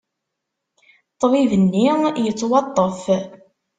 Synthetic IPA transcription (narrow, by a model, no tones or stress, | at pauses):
t̪ˤːvivənːijət͡sːwɑt̪ˤːəf